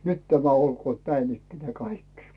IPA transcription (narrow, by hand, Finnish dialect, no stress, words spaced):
nyt tæmæ olkoːt næin ikːenæː kɑikːi̥